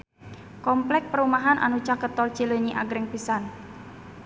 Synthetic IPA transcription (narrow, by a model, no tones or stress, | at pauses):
kɔmplɛk̚pəɾumaɦanʔa̰nut͡ʃakət̪ɔlt͡ʃiləɲiʔa̰ɡɾɛŋpisan